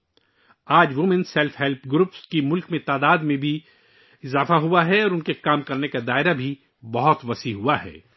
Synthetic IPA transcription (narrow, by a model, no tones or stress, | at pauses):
aːd͡ʒʋʊmɛnsɛlfɦɛlpʰɡɾupskimʊlkmẽt̪aːd̪aːd̪mẽbʱi | ɪzaːfaɦuaɦɛɔːɾʊnkekaːmkɐɾnekad̪aːɪɾabʱi | bɐɦʊt̪ʋɐsiɦuaɦɛ̰ː